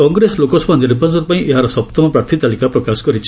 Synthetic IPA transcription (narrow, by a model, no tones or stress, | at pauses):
ɔŋɡɾeslokɔsɔbaniɾbʱɔnsɔɾupãĩʔeɦaɾɔsɔp̚t̪ɔmɔpɾaɾt̪ʰit̪alikapɾɔkasɔ̥kɔɾit͡ʃʰ